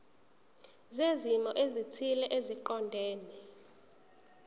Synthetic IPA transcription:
zezimɔʔezitʰilɛʔeziǃɔndʱeːni

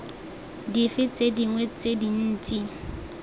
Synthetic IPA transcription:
difɪt͡sʼediŋwet͡sʼedin̩ːt͡sʼi

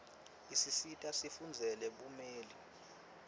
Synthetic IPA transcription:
isisitʼasifund͡zʱɛlɛɓumeːli

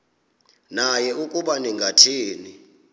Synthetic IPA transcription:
najɛukʼuɓaniŋɡʱatʰiːni

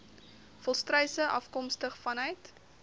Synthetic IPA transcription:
fɔlˠstrœɥsəʔɐfkɔmstəχfɐnœjt

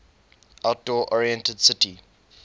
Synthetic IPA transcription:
ʔaʊt̚d̥ɔːʔɔɹiɛ̃ntədsɪti

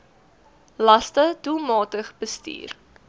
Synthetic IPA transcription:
lɐstədulˠmɑːtəχb̥əstḭːr

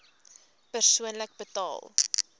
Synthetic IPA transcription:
pərsuənlək̚bətɑ̰ːlˠ

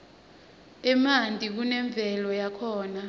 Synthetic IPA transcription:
ɛmandʱʼik̬unɛɱb̪vʱɛlɔjakʰɔːna

